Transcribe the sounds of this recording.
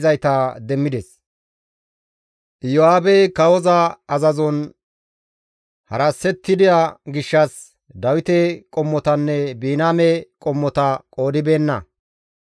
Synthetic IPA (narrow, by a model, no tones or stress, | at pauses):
zɐjt̪ɐd̪ɛmːɪd̪ɛs | ʔjɔaːbɛkɐwɔzɐɐzɐzɔn | hɐɾɐsːɛt̪ːɪd̪ɪjaɡɪʃːɐs | d̪ɐwɪt̪ɛkʼɔmːɔt̪ɐnːɛbiːnaːmɛkʼɔmːɔt̪ɐkʼo̞ːd̪ɪbe̞ːnːɐ̰